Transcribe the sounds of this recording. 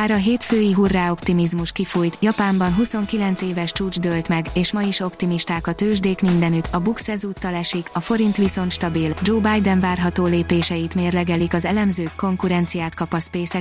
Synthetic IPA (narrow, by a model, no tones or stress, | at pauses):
aːɾɒɦeːt̪føːjiɦurːaːo̞pt̪imizmuʃkifujt̪jɒpaːmbɒnɦuso̞ŋkilɛnt̪seːvɛʃt͡ʃuːd͡ʒd̪ølt̪mɛɡeːʃmɒjiʃo̞pt̪imiʃt̪aːkɒt̪øːʒd̪eːkmind̪ɛnyt̪ɒbuksɛzuːt̪ːɒlɛʃikɒfo̞ɾint̪ʋiso̞nt̪ʃt̪ɒbild͡ʒoːbajd̪ɛnvaːrɦɒt̪oːleːpeːʃɛjit̪meːrlɛɡɛlikɒzɛlɛmzøːkːo̞ŋkuɾɛnt̪sijaːt̪kɒpɒspeːsɛ